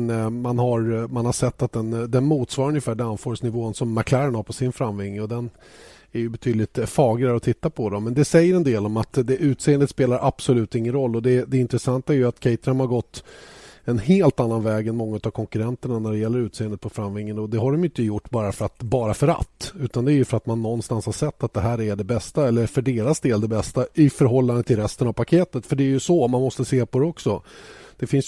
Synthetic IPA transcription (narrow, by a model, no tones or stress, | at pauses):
nmanɦaɾmanhaʂɛt̪ːat̪̚d̪ɛnd̪ɛnmuːt̪svɑːɾɵnjɪfæːɖɛanfoːɾəsnɪvoːnsɔmːakʰlæɾənhaɾpʰɔsɪnfɾamvɪŋːɔd̪ɛn | æɾjɵbɛt̪ʰyːd̪lɪt̪fɑːɡlɪaɾɔt̪ʰɪt̪ːapʰɔd̪ɔmɛnd̪ɛsɛjːəɾɛnd̪eːlɔmat̪d̪ɛʔʉ̟ːt̪seːənd̪et̪speːlaɾʔab̥sɔlʉ̟ːt̪ɪŋːənɾɔlːɔd̪ɛd̪ɛɪnt̪ɾɛsant̪aæɾjɵat̪kʰɛɪt̪aɾəmhaɾɡɔt̪ːɛnheːlt̪anːanvɛːɡɛnmɔŋːaʉ̟t̪avkʰɔŋkɵɾɛnt̪əɳanæɖɛjɛlːəɾʉ̟ːt̪sːənd̪eət̪pʰɔfɾamvɪŋːənɔd̪ɛɦhaɖɔmjʏʏnt̪əjʊʈːbɑːɾafœɾat̪bɑːɾafœɾa̰t̪ːʉ̟ːt̪and̪ɛæːɾjɵfœɾat̪manːɔnːst̪anshaʂɛt̪ːat̪̚d̪ɛɦæːɾæɖɛbɛst̪aɛlːəfœɖeːɾasd̪eːld̪ɛbɛst̪aɪfœɾɦɔlːand̪ənt̪ʰɪlɾɛst̪ənavpʰakʰeːt̪ət̪fœɖɛæɾjɵsɔmanmɔst̪əseːpʰɔd̪ɛɔksɔd̪̥ɛfɪns